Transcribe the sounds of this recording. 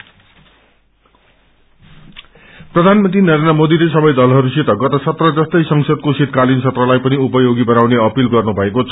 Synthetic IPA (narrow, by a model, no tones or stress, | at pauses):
prʌd̪ʱanmʌnt̪rinʌɾenʌmod̪ilesʌbʌjd̪ʌlɦʌɾuset̪ʌɡʌt̪ʌsʌt̪rʌd͡zʌst̪ʌjsʌŋsʌd̪̚koset̪̚kalinsʌt̪rʌlajpʌniupʌjoɡibʌnawneʌpilɡʌrnubʱʌekot͡sʰʌ